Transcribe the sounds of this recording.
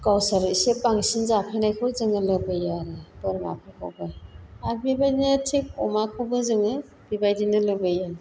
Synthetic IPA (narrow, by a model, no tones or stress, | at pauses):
kawsaɾisepaŋsinzapʰenajkʰɯwzɯŋɯlɐbɯjaɾɯbɯɾma̰pʰekʰo̰baabibajdintʰik̚ɔmakʰobɯzɯŋɯ | b̥ibajdinɯlɯbɯja